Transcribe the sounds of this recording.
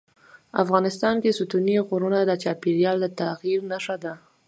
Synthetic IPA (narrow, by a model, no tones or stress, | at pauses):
a̰fɣɑnɪst̪ɑnkesʊt̪uniɣuɾunad̪ət͡ʃɑpiɾjɑld̪ət̪aɣiɾnaʃad̪a